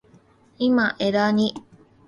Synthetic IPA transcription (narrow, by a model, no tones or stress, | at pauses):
imaʔeɾaɲi